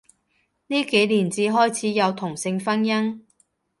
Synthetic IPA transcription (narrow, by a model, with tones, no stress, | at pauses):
niː˥ke˨˥jliː˨˩nt͡siː˨˧ɦɔː˥jt͡sʰiː˨˥jɐ˨˧wt̪ʰʊ˨˩ŋsɪ˧ŋfɐ˥njɐ˥ŋ